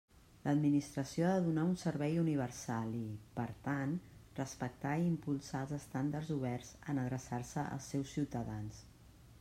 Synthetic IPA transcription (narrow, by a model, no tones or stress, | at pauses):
ləd̪minist̪ɾəsioaðəðunaunsəɾβɛjuniβ̞ərsalˠipəɾt̪anrəspək̚t̪aimpulˠsalˠzəst̪and̪ərzuβ̞ɛrzənəðɾəsarsəʔə̰lˠsɛwsːiwt̪əðans